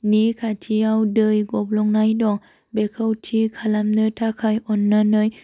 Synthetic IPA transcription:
niːkʰatʰiawdəjɡop̚loŋnajdɔŋ | bekʰawtʰikʰalamnɯt̪ʰakʰajʔɔnːanɯj

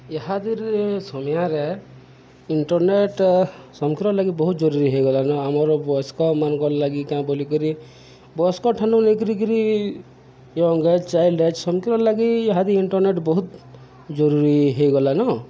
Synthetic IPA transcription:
jeɦad̪iɾsɔmjãɾe | iɳʈɔɾneʈ | sɔmkʰiɾɔɾlaɡibɔɦut̪̚d͡ʒɔɾuɾiɦejɡɔlanɔamɔɾbɔskɔmanɔ̃ŋkɔɾlaɡikãbɔlikɔɾi | bɔskɔʈʰanɔnekiɾik̬iɾi | jɔŋɡet͡ʃt͡ʃajlɖet͡ʃsɔmkiɾɔɾlaɡieɦad̪iɾiɳʈɔɾneʈbɔɦut̪ | d͡ʒɔɾuɾiɦejɡɔlanɔ

